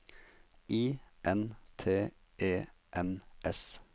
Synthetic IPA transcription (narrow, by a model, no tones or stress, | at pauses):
ʔiːʔɛnt̪ʰeː | ʔeːʔɛnʔɛs